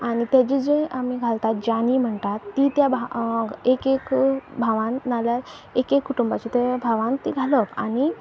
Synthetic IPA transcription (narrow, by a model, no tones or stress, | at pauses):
añit̪jad͡ʑid͡ʑẽamiɡʱalt̪at̪̚d͡ʑanim̤əɳt̪at̪ːit̪jabʱaekekbʱaʋãnːaljaɾ | ekekʰːuʈumbat͡ɕit̪ebʱaʋãnt̪ḭɡʱaləpa̰ñi